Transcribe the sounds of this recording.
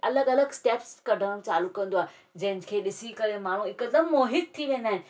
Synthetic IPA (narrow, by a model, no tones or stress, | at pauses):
ɐləɡɐləɡsʈeːpskɐɖʱəɽ̃mt͡ɕaːlukɐ̃nd̪oaː | d͡ʑɐ̃ɦɪ̃nkʰeːɗɪsikɐɾemaːɳ̤ũɪkəd̪əmːoːɦɪt̪̚t̪ʰːiʋẽːn̆d̪aːɦɪ̃nɪ